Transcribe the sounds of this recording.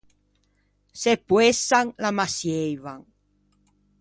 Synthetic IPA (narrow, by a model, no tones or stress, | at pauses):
sepwesaŋlamasjejβaŋ